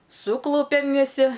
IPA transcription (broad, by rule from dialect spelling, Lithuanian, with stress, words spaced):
ˈsuːklˠʊpʲɛm ʋʲɪˈsʲɪ